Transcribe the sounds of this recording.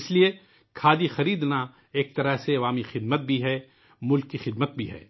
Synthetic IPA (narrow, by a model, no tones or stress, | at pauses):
ɪslie | kʰaːd̪ixɐɾiːd̪na | eːk̚t̪ɐɾəɦseɐʋaːmixɪd̪mət̪̚bʱiɦɛː | mʊlkːixɪd̪mət̪̚bʱiɦɛ̰ː